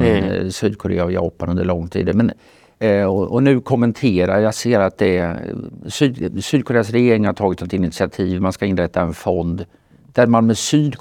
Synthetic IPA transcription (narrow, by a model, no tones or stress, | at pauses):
ɛsyːd̪̚kʰʊɾḛːavjɑ̰ːpanɵnd̪əɭɔŋːt̪ʰḭːd̪əmɛn | ɔɔnʉ̟ːkʰʊmːɛnt̪ʰeːɾaɾjaseːɾat̪̚d̪ɛ | syːd̪syːd̪̚kʰʊɾeːasɾɛjeːɾɪŋhaʈʰɑːɡɪt̪snɔt̪ɪnɪt̪sɪat̪ʰiːvmanskaɪnɾɛt̪ːaɛnfɔnd̪ | d̪æɾmanmɛsyːd̪k